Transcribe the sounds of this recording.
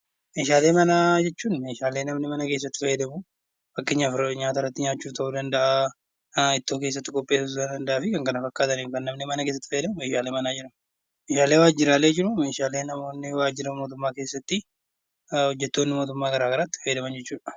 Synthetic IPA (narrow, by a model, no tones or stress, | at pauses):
me̞ːʃaːleːmɐnaːd͡ʒɛt͡ʃːuːnme̞ːʃaːle̞ːnɐmnɪmɐnɐke̞ːsːɐt̪ːɪ̥fɐjɛd̪ɐmʊ | bɐkːeɲːafɾɐɲaːt̪ɐrɐt̪ːɪɲaːt͡ʃːuːt̪ɐʔuːd̪ɐnd̪ɐʔa | ɪt̪ːo̞ːke̞ːs̬ːɐt̪ːɪkʼɔpʼːe̞ːsʊs̬d̪ɐnd̪ɐnd̪ɐʔaːfɪkɐŋkɐnɐfɐkːaːt̪ɐniːfkɐnːɐmnemɐnɐkeːs̬ːɐt̪ːɪ̥fɐjɛd̪ɐmʊme̞ːʃaːle̞ːmɐnaːd͡ʒɪɾɐm | meːʃaːle̞ːwaːd͡ʒːɪɾaːleːd͡ʒɪɾʊme̞ːʃaːleːnɐmo̞ːnːɪwaːd͡ʒɪɾɐmo̞ːt̪̬ʊmːaːkeːsːɐt̪ːɪ | hɔd͡ʒːɛt̪ːo̞ːnːɪmoːt̪ʊmːaːɡɐɾaːɡɐɾaːt̪ːɪ̥fɐjd̪ɐmɐnd͡ʒɛt͡ʃːuːᶑɐ̥